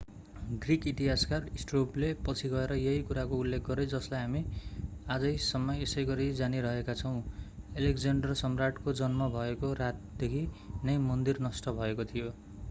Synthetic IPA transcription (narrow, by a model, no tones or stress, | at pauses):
ɡrikit̪iɦaskarisʈroplepʌt͡sʰiɡʌeɾʌjʌɦikuɾakoulːekʰɡʌɾed͡zʌslajɦamiad͡zʌjsʌmːʌjesʌjɡʌɾid͡zaniɾʌɦekat͡sʰʌw̃elekd͡zeɳɖʌrsʌmraʈkod͡zʌnmʌbʱʌekoɾat̪̚d̪ekʰi | nʌjmʌnd̪irnʌsʈʌbʱʌekot̪ʰijo